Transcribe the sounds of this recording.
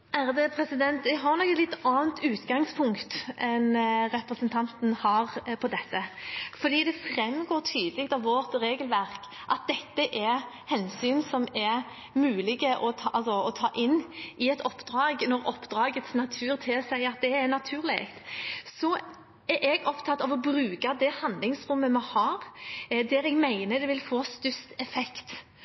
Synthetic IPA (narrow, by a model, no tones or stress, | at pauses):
æɾd̪əpʰɾɛsɪd̪ɛnt̪ʋɛɡɦɑɾnɔkːəlɪt̪ːɑːnt̪ʉːt̪ɡɑŋspʰʊŋkt̪ʔɛnɾɛpɾəsənt̪ʰɑnt̪nhɑːʁpʰɔd̪ɛt̪ːəfɔɾd̪iːd̪ɛfɾɛmːɡoːt̪ʰyːd̪əlɪk̚t̪ɑʋʋɔt̪ɾeːɡəlʋæʁk | ʔɑt̪̚d̪ɛt̪ːəʔɛ | hɛnsyːnsɔmɛɾ | mʉːlɪɡəʔɔt̪ʰɑɑlsɔɔt̪ʰɑːʔɪnːʔɪɛt̪ɔpːd̪ɾɑːɡnɔɾɔpːd̪ɾɑːɡət̪snɑt̪ʰʉːɾt̪ʰɪlsæɪɑt̪̚d̪ɛɛnɑt̪ʰʉːʁlɪ̰ɡt̪sɔ | ɛɾʔɛɡɔpt̪ʰɑt̪ːɑʋɔbɾʉːkɑd̪ɛhɑnd̪lɪŋsɾʊmːəmɛhɑːɾd̪æɾɛɡmæɪnəd̪ɛʋɪlfoːst̪ʉst̪ɛfɛkt̪